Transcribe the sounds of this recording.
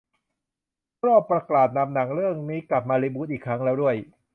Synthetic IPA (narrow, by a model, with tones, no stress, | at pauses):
ɾɔː˥˩pːɾa˧klaː˨˩t̪̚na˧mna˩˦ŋɾɯ˥˩əŋniː˦˥kla˨˩p̚maː˧ɾiː˧˥buː˦˥t̪̚ʔiː˨˩kʰɾa˦˥ŋlɛː˦˥wdu˥˩əj